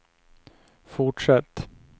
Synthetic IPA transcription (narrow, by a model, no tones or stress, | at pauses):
fʊʈʂɛt̪ː